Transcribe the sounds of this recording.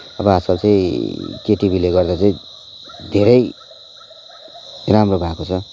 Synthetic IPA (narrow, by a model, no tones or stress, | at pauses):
ʌbʌɦasʌlt͡sʌĩkeʈibʱileɡʌrd̪at͡saĩ | d̪ʱeɾʌj | ramrobʱakot͡sʰʌ